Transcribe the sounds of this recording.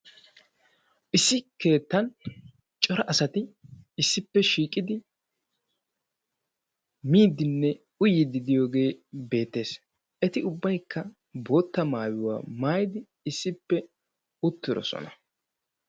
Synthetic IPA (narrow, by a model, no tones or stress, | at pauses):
ʔɪsːɪke̞ːt̪ːɐn | t͡ʃʼɔɾɐʔɐsɐt̪ɪɪsːɪpːɛʃiːkʼɪd̪ɪ | miːd̪ɪnːɛ | ʊjɪd̪ɪd̪ɪjo̞ːɡe̞ːbe̞ːt̪ːe̞ːs | ʔɛt̪ɪʊbːɐjkːɐ | bo̞ːt̪ːɐmaːwɪwa̰ːmaːjɪd̪ɪ | ɪsːɪpːɛ | ʊt̪ːɪɾɔ̰sɔ̰nɐ